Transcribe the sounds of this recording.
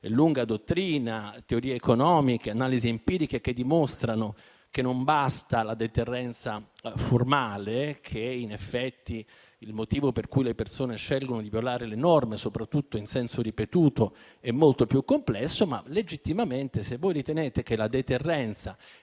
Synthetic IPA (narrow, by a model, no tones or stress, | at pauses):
luŋɡad̪ot̪ːɾiːnat̪eoɾiːeekonɔːmikeanaːliziempiːɾikek̟ed̪ːimost̪ɾano | kenːombast̪alad̪et̪erːɛnt̪saformaːlekʰeinefːɛt̪ːi | ilmot̪iːvoperkujlepersoːneʃɛlɡonod̪ivjolaːɾelenɔrmesopɾat̪ːut̪ːoinsɛnsoɾipet̪uːt̪o | ɛmːolt̪opjukːomplɛsːoma̰led͡ʒit̪ːimament̪esevːojɾit̪eneːt̪ekelad̪et̪erːɛnt̪sa